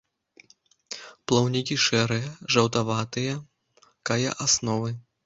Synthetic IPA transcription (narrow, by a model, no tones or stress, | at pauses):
plˠɔwnʲikʲiʂɛɾɨjɐʐɐwt̪avat̪ɨjɐ | kajɐ̰ʔasnɔvɨ